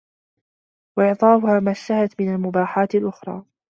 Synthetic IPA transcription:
waʔɪʕt̪ˤɑːfʊhaːmaʃːahat̪mɪnalmʊbaːħaːt̪alʔʊxɾˤɑ̰ː

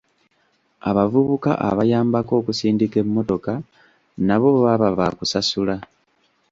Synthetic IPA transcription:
a̰βavuβuka̰ʔa̰βajaːmbako̞ːkusiːndike̞mːo̞to̞ka | naβo̞ββaβavakusasula

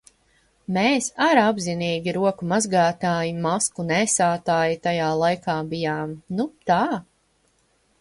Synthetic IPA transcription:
meːsaɾabziniːɡʲiɾuɔkumazɡaːt̪aːjimaskunɛːsaːt̪aːjit̪ajaːlˠajkaːbijaːmnut̪aː

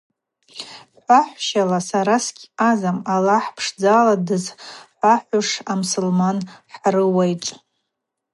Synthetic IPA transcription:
ħʷaħʷʃalasaɾasɡʲazamalaħpʰʂd͡zaːladɨzħʷaħʷʊʂamsulmanħaɾɨwajt͡ʃʼ

